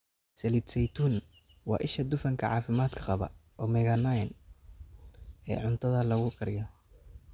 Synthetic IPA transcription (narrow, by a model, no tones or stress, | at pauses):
sɛlid̪sɛjt̪ʰuːn | wɑ̰ːʔɪʃɐd̪ʊfɐŋkʰɐʕɑ̰ːfɪmaːd̪kʰɐqɑβɐ̰ʔɔːmɛɣɐnajɐn | ɛ̰ːʕʊnt̪ʰɐðɐlɐɣʊkʰɐɾɪjɐ